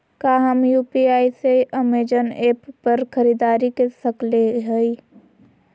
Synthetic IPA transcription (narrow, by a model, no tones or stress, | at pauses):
kaːɦəmjuːpiaːiseəmeːd͡ʒəneːpːəɾkʰəɾiːd̪aːɾikesɐkleɦəi